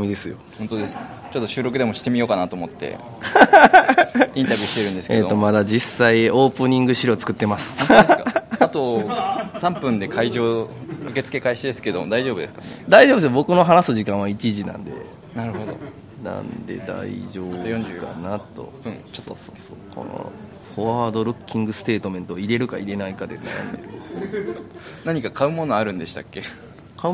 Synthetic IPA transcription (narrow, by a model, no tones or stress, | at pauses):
mʲid̪e̞sɨjo̞hõnt̪od̪esɨ̥ | t͡ɕot̪ːo̞ɕɨːɾo̞kɯ̟d̪e̞mo̞ɕi̥t̪e̞mʲijo̞ːkanat̪oːmo̞t̪ːḛ | ĩnt̪abʲjiːɕi̥t̪e̞ɾɯ̟̃nd̪e̞sɨ̥eoomad̪ad͡ʑisːaio̞ːpɯ̟ɲ̟ĩŋɡɯ̟ɕiɾo̞ːt͡sɨ̥kɯ̟t̪ːe̞masɨ̥oeat̪o | sãmpɯ̟̃nd̪e̞kʰaiʑo̞ːɯ̟ke̞t͡sɨ̥ke̞kaeɕid̪esɨ̥ke̞d̪omo̰d̪aiʑo̞ːbɯ̟d̪esɨ̥kaned̪aiʑobesɨjobo̞kɯ̟no̞ɦanasɨʑikãɰ̃βait͡ɕiʑinã̰nd̪e̞̰ | naɾɯ̟ho̞d̪o̰ | nã̰nd̪e̞̰d̪a̰ḭʑo̞ːot̪ːjõɲd͡ʒɨkanat̪ːo̞̰ | ɯ̃t͡ɕot̪ːsoːsokʰo̰no̰ | koaːd̪o̞ɾɯ̟kʲːĩŋɡɯ̟sɨ̥t̪e̞ːt̪o̞mẽ̞nt̪oːiɾe̞ɾɯ̟kaiɾe̞naikad̪ena̰ja̰nd̪ḛɾɯ̟ | naɲ̟ikakʰaɯ̟mo̞noaɾɯ̟̃nd̪e̞ɕi̥t̪akːe̞ | kʰa